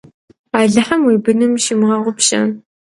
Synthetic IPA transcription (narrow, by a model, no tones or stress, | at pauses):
aːɮɨħɐmwiːbɨnɨmʃɪmʁɐʁʷʊpʃɐ̰n